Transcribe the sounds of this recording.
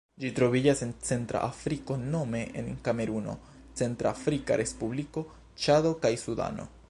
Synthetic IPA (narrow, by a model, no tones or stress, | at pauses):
d͡ʒitɾo̞vid͡ʒasent͡se̞ntɾa̰ʔafɾiko̞no̞me̞ʔḛnkame̞ɾuno̞̰ | t͡se̞ntɾafɾika̰ɾʔe̞spubliko̞ | t͡ʃado̞kajsuda̰no̞̰